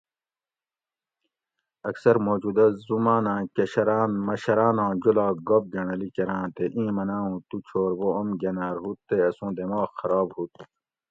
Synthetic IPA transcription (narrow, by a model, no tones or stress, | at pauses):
ɐksɐɾmoːd͡ʑud̪ɐzumaːnãːkɐɕɐɾaːnmɐɕɐɾaːnãːd͡ʑulaːɡob̚ɡɐɳɐlikɐɾãːt̪eʔĩːmɐnãːɦũːt̪ut͡ɕʰoːɾboɐmɡɐnaːɾɦut̪ːeɐsũːd̪emaːxxɐɾaːbhut̪̚